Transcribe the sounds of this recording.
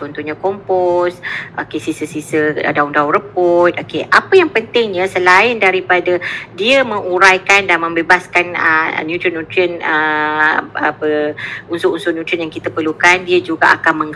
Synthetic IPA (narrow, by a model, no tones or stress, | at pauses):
t͡ʃɔnt̪uɲakɔmpɔsʔokesisəsisədauŋdaʊŋɾəpɔt̪̚okeʔapəjaŋpənt̪ɪŋɲəsəlaɪndaɾipadadiəmə̃ŋuɾajkandanmə̃mbebaskanə̰njut̪ɾiənut̪ɾiənə | apəunsʊʔunsʊnjut̪ɾiənjaŋkit̪apərlukandiəd͡ʒuɡaʔakanmə̃ŋ